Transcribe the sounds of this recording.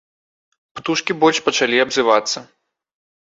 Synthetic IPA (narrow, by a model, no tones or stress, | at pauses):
pt̪uʂkʲibɔlʲʂpɐt͡ʂalʲiɐbzɨvat̪sːɐ